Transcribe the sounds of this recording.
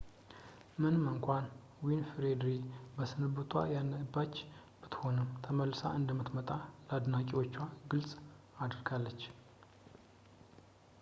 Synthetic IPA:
mɨnməŋkʷʰan | winfɾed̪ɾibəsɨnɨbɨt̪ʰwa̰janəbːat͡ʃː | b̥ɨt̪ho̞nəmt̪ʰəməlːsa̰ʔɨnd̪əmːɨt̪mət̪ʼaləad̪nakʼiwo̞t͡ʃːwaɡɨlsʼ | ad̪ɾɡalːət͡ʃː

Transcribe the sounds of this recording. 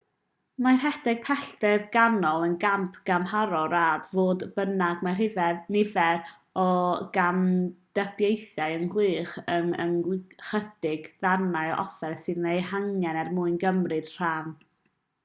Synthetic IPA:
majr̥ɦɛdɪɡ̥̚pʰɛɬdɛðɡanɔlˠənɡampʰɡ̥amhaɾɔɾaːdvoːdbənaɡmajrhɪvɛðnɪvɛɾ | ɔɡamd̥əbjejθjajənlˠɨːχənə̰nχəd̥ɪɡðanaɨɔ̰ʔɔfɛrsɨðnejhaŋjɛnɛrmuɨnɡəmrɨd̥r̥aːn

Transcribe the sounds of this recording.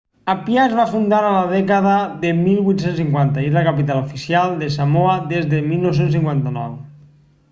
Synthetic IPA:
apjazβafund̪aɾalaðɛkaðaðemilˠβwuit̪sensiŋkwant̪aiðlakapit̪alufisjalˠd̪esamoaðezðemilˠnows̬ens̬iŋkwant̪anɔw

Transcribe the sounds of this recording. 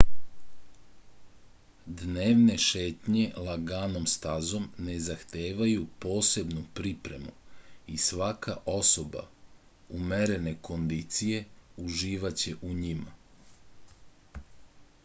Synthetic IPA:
d̪neːʋne̞ʃe̞ːt̪ɲe̞lˠaɡaːno̞mst̪azo̞mne̞zaxt̪eːʋajupo̞ːse̞bnupɾipɾe̞mṵisʋakaʔo̞so̞ba̰ | umeɾe̞ne̞ko̞nd̪it̪sije̞uʒiːʋat͡ɕe̞ʔuɲima

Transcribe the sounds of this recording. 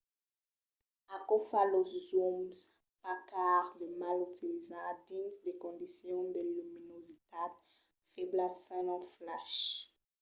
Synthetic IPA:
akɔfaloszums | pakaʁd̪əmalyt̪ilizad̪ĩnt̪d̪ekɔ̃nd̪isjɔ̃d̪əlyminozit̪ad̪ | fɛblasɛ̃nɑ̃flaʃ

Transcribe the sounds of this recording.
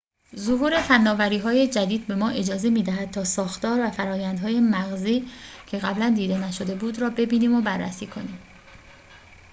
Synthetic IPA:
zoɦuːɾe̞fænːɒːvæɾiːɦɒːje̞d͡ʒæd̪iːd̪̚be̞mɒːʔe̞d͡ʒɒːze̞miːd̪æɦæd̪̚t̪ʰɒːsɒːxt̪ɒːɾvæfæɾɒːjænd̪hɒːje̞mæɣziːcʰe̞ɣæblænd̪iːd̪e̞næʃo̞d̪e̞buːd̪ɾɒːbe̞biːniːmobærːæsiːkʰo̞niːm

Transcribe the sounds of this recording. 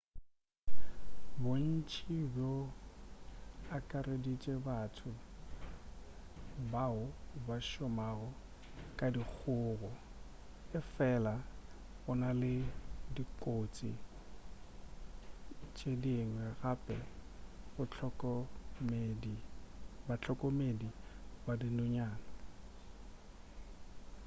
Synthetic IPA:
bon̩t͡ʃʼibjo | akʼaredit͡ʃʼebatʰʊ | baʊbaʃɔmaɣɔ | kʼadik͡xʰʊːɣɔ | ɪfɛla | ɣʊnalɪdikʼot͡sʼḭ | t͡ʃʼediŋwɛɣapʼɛbʊt͡ɬɔkmedi | bat͡ɬʰɔkʼɔmedibadinʊɲaːna

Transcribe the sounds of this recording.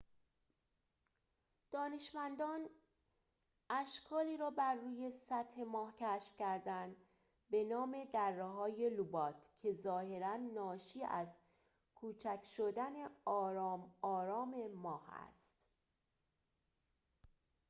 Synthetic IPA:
d̪̥ɒːne̞ʃmænd̪ɒːn | ʔæʃkʰɒːliːɾɒːbæɾːuːje̞sæt̪he̞mɒːhcʰæːʃfcʰæɾd̪ænd̪ | be̞nɒːme̞d̪ærːeɦɒːje̞lubɒːt̪ʰcʰe̞zɒːhe̞ɾænːɒːʃiːæz | kʰuːt͡ʃʰæcʰʃod̪æne̞ɒːɾːmɒːɾɒːme̞mɒːhæ̰st̪

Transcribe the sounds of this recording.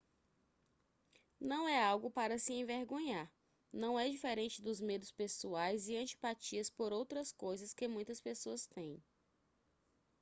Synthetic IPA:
nɐ̃w̃ɛawɡʊpaɾɐsɪẽveɾɡõɲaɾ | nɐ̃w̃ɛd͡ʒifeɾẽnt͡ʃɪd̪ʊzmed̪ʊspesuajzɪɐ̃t͡ʃi̥pat͡ʃiɐspoɾowt̪ɾɐskojzɐskɪmũj̃t̪ɐspesoɐst̪ẽj̃

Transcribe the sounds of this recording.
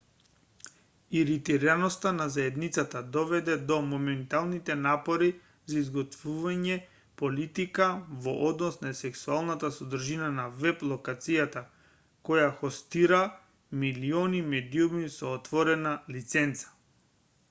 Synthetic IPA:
iɾit̪iɾanɔst̪anazaɛd̪nit̪sat̪ad̪ɔvɛd̪ɛd̪ɔmɔmɛnt̪alˠnit̪ɛnapɔɾi | zaizɡɔt̪vuvaɲɛ | pɔlit̪ikavɔʔɔd̪nɔsnasɛksualˠnat̪asɔd̪r̩ʒinanavɛplˠɔkat̪sijat̪a | kɔjaxɔst̪iɾa | miliɔnimɛd̪iumisɔːt̪vɔɾɛnalit̪sɛnt̪sḁ

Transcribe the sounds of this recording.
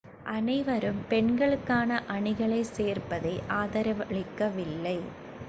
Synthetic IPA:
ʔɐnɐɪʋɐɾɯmpɛɳɡɐɭɯkːaːnɐʔɐɳɪɣɐɭɐɪseːrpɐðɐɪʔaːðɐɾɐʋɐɭɪkːɐʋɪlːɐɪ

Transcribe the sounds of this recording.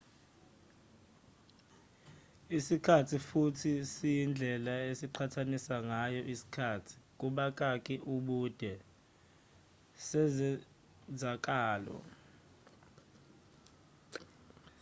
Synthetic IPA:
isikʰatʰifutʰisijind͡ɮʱɛlaesiǃʰatʰanisaŋajɔʔisi̥kʰaːtʰi̥k̬ʼuɓakʼakʼiʔuɓud̥ʱɛ | sɛzɛ | zak̬ʼaːlɔ̰

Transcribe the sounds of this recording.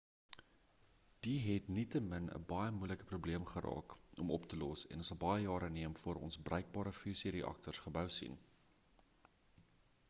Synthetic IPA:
d̥iɦɛtnitəmənə̰bɐjəmujləkəprubliəmχəɾɑ̰ːkʔɔmɔptəlɔsɛ̰nsɐlˠbɐjəjɑːɾəniəmfuəɾɔ̰nsbrəɥk̚bɑːɾəfysiɾeʔɐ̰k̚tərsχəbəwsḭn

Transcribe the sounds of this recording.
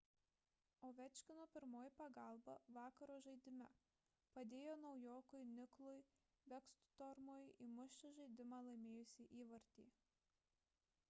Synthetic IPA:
oːʋʲɛt͡ʃʲkʲɪnoːpʲɪɾmoːjɪpɐɡɐˑlˠbɐʋɑːkɐɾoːʒɐɪd̪ʲɪmʲɛ | pɐd̪ʲeːjoːnɒʊjoːkʊjnʲɪklˠʊj | ʋʲɛkst̪ʊ̥t̪ɔɾmoːjimʊʃʲt͡ʃʲɛʒɐɪd̪ʲɪmɑːlˠɐɪmʲeːjʊsʲiːʔiːʋɐɾʲt̪ʲiː

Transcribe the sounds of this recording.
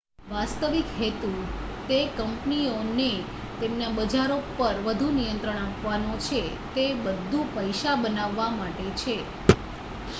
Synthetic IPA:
ʋast̪əʋikɦet̪u | t̪ekəmpnione | t̪emnabəd͡ʒaɾopəɾʋəd̪ʱunijənt̪ɾəɳ̃apʋanot͡ʃʰe | t̪ebəd̪ʱːupəjʃabənaʋːamaʈet͡ʃʰe

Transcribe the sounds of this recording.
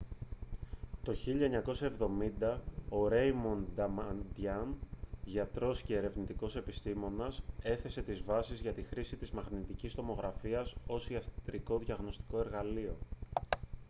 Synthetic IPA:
t̪o̞çiʎɐeɲɐko̞sɐe̞vðo̞mind̪ɐo̞ɾe̞jmond̪ɐmɐnd̪jɐnʝɐt̪ɾo̞sce̞ːɾe̞vnit̪iko̞se̞pist̪imo̞nɐse̞θe̞se̞t̪izvɐsizʝɐt̪ixɾisit̪izmɐxnit̪icist̪o̞mo̞ɣɾɐfiɐso̞siɐft̪ɾiko̞ðʝɐɣno̞st̪i̥ko̞e̞ɾɣɐlio̞

